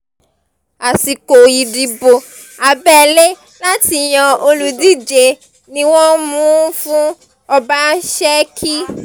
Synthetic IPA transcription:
a˨si˨ko˨i˨di˨bo˨ | a˨bɛ˦˨le˦ | la˦ti˧j̃ã˧o˧lu˧di˦˨d͡ʒe˧˨ | nĩ˧˦w̃ɔ̃˦mũũ˦fũ˦ | ɔ˧ba˦ʃɛ˦kʰi˦

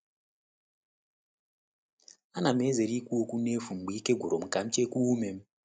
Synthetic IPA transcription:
a˦na˨me˦ze˨ɾi˦ku˦wo˦ku˦ne˦vu˨m˨ɡ͡bi˦ke˦ɡʱu˨ɾo˨mu˨ka˨mi˦t͡ʃe˦kuː˦me˨m

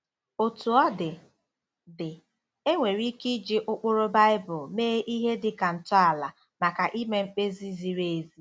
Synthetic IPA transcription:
o˨tu˨ɔ˦dɪ˨ | dɪ˨ | e˦ŋʷe˨ɾi˦ki˦d͡ʒi˦ʔʊ˦k͡pʊ˦ɾʊ˦ba˦ɪ˦bʊ˨lmeː˦ʔi˦ɦe˦dɪ˨ka˨n̩˨tʊ˦a˨la˨ | ma˨ka˨ʔi˦me˦ŋ͡m̩˦k͡pe˦zi˦zi˨ɾe˨e˨zi˦

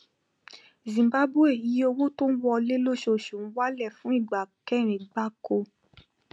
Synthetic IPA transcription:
zĩ˨ba˦bu˦e˦˨ji˨˧˦o˧wo˦to˦n̩˦wɔ˧le˦lo˦˨ʃo˨ʃũ˨n̩˦wa˦lɛ˦˨fũ˦i˦˨ɡ͡ba˨kɛ˦˨ɾ̃ĩ˨ɡ͡ba˦ko˧

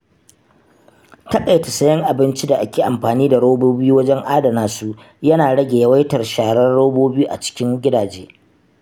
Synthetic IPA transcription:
tɐ˦kʼa˨jtɐ˨sɐ˦jɐ˦ŋʔa˨bɪ˦nt͡ʃi˦da˨ʔa˦kʲeː˨ʔa˨mɸaː˨niː˦da˨ɽoː˦boː˦bu˦wɐ˦d͡ʒɛ˦ŋʔaː˦dɐ˨naː˨˦su˦ | jɐ˦naː˨ɽɐ˦ɡʲe˨jɐ˦wɐ˦jtɐ˨rʃaː˨ɽɐ˦rɽoː˦boː˦bi˦juː˦ʔa̰˨t͡ʃɪ̥˦kʲɪ˦ŋɡʲɪ˦daː˨d͡ʒeː˦

